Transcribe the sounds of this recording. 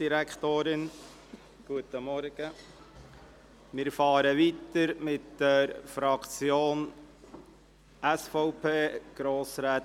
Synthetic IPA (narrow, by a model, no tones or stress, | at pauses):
iɾækʰt̪oːɾɪn | ɡ̥uət̪əmɔɾɡ̥ə | mɪɾfɑːɾəʋit̪əɾmɪt̪d̥əɾfɾɑkt͡sjoːn | æsfɔʊpʰeːɡ̥ɾoːsɾaːt